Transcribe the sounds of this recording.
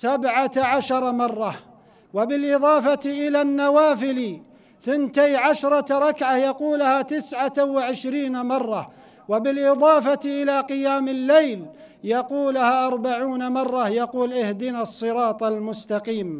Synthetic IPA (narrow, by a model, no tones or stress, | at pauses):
sabʕaʕaʃɑɾˤmɑrˤːɑ | wabɪlʔɪðˤɑːfaʔɪlanːawaːfɪl | θɪnt̪ajʕaʃɾˤɑɾˤɑkʕajɑquːlhat̪ɪsʕawɪʕɪʃɾiːnamɑrˤːɑ | wabɪlʔɪðˤɑːfaʔɪlaːqɪjaːmɪlːejl | jɑquːlhaʔɑɾˤbaʕuːnamɑrˤːɑjɑquːlʔɪhd̪ɪnasˤːɨɾɑːt̪ˤalmʊst̪ɑqiːm